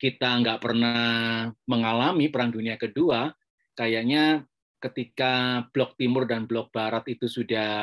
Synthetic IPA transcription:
kit̪aŋɡaʔpərnahməŋalamipəɾaŋduniakədua | kajaʔɲa | kət̪ikab̥lɔk̚t̪imʊrdanblɔk̚b̥aɾat̪it̪usudah

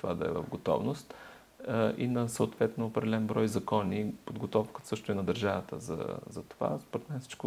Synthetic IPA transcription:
t̪ovad̪ɐɛ̰və̰vɡot̪ɔ̰vnost̪ | ʔinɐsəʊt̪vɛt̪noːpɾɛd̪ɛlɛnbɾɔjzɐkɔnipod̪ɡot̪ɔfkə̥sɤʃt̪ʊinɐd̪əɾʒavət̪ə̰zə̰zɐt̪ova̰spoɾɛt̪mɛnɛfsi̥t͡ʃkʊ

